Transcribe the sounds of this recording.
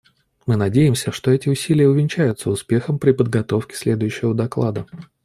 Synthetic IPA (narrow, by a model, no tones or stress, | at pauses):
mɨnɐdʲejɪmsʲəʂt̪o̞ɛtʲɪʊsʲilʲɪjəʊvʲɪnʲt͡ɕæjʊt̪səʊspʲe̞xəmpɾʲɪpəd̪ɡɐt̪o̞fkʲɪ̥sʲlʲe̞d̪ʊjʉɕːɪvəd̪ɐklˠa̰d̪ə